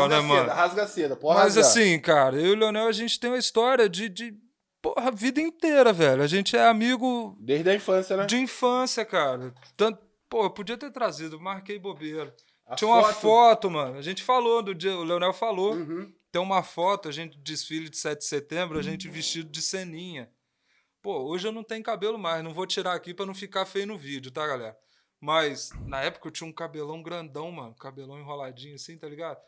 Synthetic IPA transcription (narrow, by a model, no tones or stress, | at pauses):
nɛmɐ̃nɐhazɡased̪ɐpomɐzassĩkaɾɐiʊleonɛwɐʒẽt͡ʃɪ̥t̪ẽj̃ɐist̪ɔɾiɐd͡ʒɪd͡ʒɪ | poɦɐvid̪ɐĩt̪eɾɐvɛʎʊɐʒẽt͡ʃɪɛamiɡʊd̪ed̪ɐĩfɐ̃sjɐnɛd͡ʒɪĩfɐ̃sjɐkaɾɐ | t̪ɐ̃t̪ʊ | pohepod͡ʒiɐt̪eɾt̪ɾazid̪ʊemaɾkejbobeɾɐ | ĩɲɐũmɐfɔt̪ʊmɐ̃nʊɐʒẽnt͡ʃɪ̥falod̪ʊd͡ʒiɐʊleonɛwfalo | t̪ẽj̃ũmɐfɔt̪ʊɐʒẽnt͡ʃɪd͡ʒɪsfilɐd͡ʒɪsɛt͡ʃɪdɪ̥set̪ẽmbɾʊaʒẽnt͡ʃɪviʃt͡ʃid̪ʊd͡ʒɪsẽnĩɲɐ | pooʒɪewnɐ̃w̃t̪ẽɲjʊkabelʊmajznɐ̃w̃vot͡ʃiɾaakipɾɐnɐ̃w̃fikafejʊnʊvid͡ʒʊt̪aɡalɛɾɐ | mɐjsnɐɛpʊ̥kɐewt͡ʃĩɲɐũkabelɐ̃w̃ɡɾɐ̃nd̪ɐ̃w̃mɐ̃nʊkabelɐ̃w̃ĩɦolad͡ʒĩɲʊɐsĩt̪ɐliɡad̪ʊ